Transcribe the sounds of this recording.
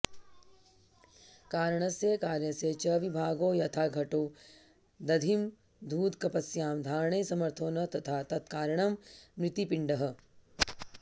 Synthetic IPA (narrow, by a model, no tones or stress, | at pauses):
kaːɾɳ̃ɐsekaːɾjɐset͡ʃɐʋibʱaːɡoːjɐt̪ʰaːɡʱɐʈoː | d̪ɐd̪ʱim | d̪ʱuːd̪kɐpɐsjaːmd̪ʱaːɾɳesɐmɐɾt̪ʰoːnɐt̪ɐt̪ʰaːt̪ɐt̪kaːɾjɐɽ̃ɐmːɾɪt̪ipɪɳɖɐɦɐ̆